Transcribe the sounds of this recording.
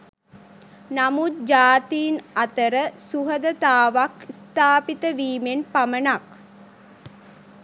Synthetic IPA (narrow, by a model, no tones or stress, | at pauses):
namut̪̚d͡ʒaːt̪iːnat̪əɾəsuɦəd̪ət̪aːʋakist̪aːpit̪əʋiːmenpamənak